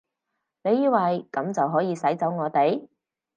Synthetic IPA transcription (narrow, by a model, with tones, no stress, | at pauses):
ne˨˧jiː˧wɐ˨jkɐ˨˧˥mt͡sɐ˨wɦɔː˨˥jiː˨˧sɐ˨˥jt͡sɐ˨˥wŋɔː˨˧t̪e˨j